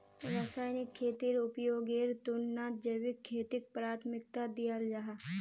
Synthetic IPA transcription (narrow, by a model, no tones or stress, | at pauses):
ɾaːsaːjnɪkʰːeːt̪iɾʊpjoːɡeːɾt̪ʊnnaːt̪̚d͡ʒəjwɪkʰːeːt̪ɪk̚pɾaːt̪ʰmɪk̚t̪ad̪ijald͡ʒaɦa